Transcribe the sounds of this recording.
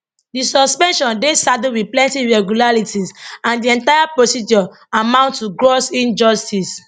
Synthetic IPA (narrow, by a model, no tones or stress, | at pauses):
disɔspɛ̃nʃɔ̃ndesaduwiplɛ̃ntiɹɛɡjulaɹitisãndiɛ̃ntaɪjapɹosid͡ʒɔ | amãʊ̃ntːuɡɹosĩnd͡ʒɔstis